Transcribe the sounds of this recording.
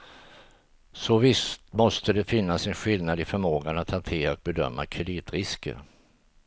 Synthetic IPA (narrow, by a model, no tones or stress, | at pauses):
sɔvɪst̪mɔst̪əd̪ɛfɪnːasɛnɧɪlnad̪ɪfœɾmoːɡanat̪hant̪ʰeːɾaɔk̚bɛd̪œ̰mːa̰kʰɾɛd̪iːt̪ɾɪskə̰ɾ